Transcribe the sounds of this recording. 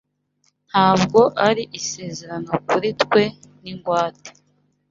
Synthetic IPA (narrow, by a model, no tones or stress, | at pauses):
n̥haːbɡo̞ʔaɾiʔise̞ːzeɾano̞kuɾitkwe̞niŋɡwaːte̥